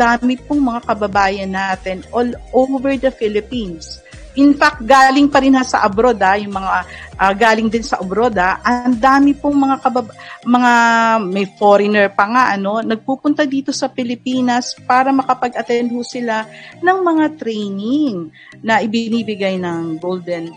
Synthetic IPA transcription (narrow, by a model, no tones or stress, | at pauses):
d̪aːmɪpoŋmɐŋakɐbɐbaːjɐnːaːt̪ɛnʔolʔovɛɹd̪ɐfɪlɪpins | ʔɪnfak̚t̪̚ɡaːlɪŋpɐɾɪnhasɐ̰ʔɐbɾo̞d̪ajʊŋmɐŋaʔɐɡaːlɪŋd̪ɪnsɐʔɐbɾo̞d̪aʔɐnd̪aːmɪpoŋmɐŋakɐbɐbmɐŋamɐjfoɾɪnɛɹpɐŋaʔɐno̞nɐɡ̚puːpʊnt̪ɐd̪iːt̪o̞sɐpɪlɪpiːnɐspaːɾɐmɐkɐpɐɡʔɐt̪ɛnd̪̚husɪlanɐŋmɐŋat̪ɾejnɪŋ | nɐʔɪbɪniːbɪɡajnɐŋɡold̪ɛn